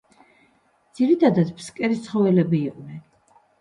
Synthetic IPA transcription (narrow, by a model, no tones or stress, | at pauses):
d̪z̥iɾit̪ʰad̪at̪pʰskʼɛɾit̪sχɔvɛlɛbiːqʼnɛn